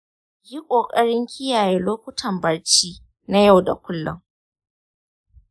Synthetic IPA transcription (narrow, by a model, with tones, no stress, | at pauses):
ji˦kʷʼoː˨kʼɐ˦ɽɪ˦ŋkʲʰɪ˦jaː˨jeː˦loː˦kʷʊ˦tʰɐ˨mbɐ˦ɽt͡ʃiː˦ | na˦ja˦˨wda̰˨kʷʊ˦lːʊ̰˦˨ŋ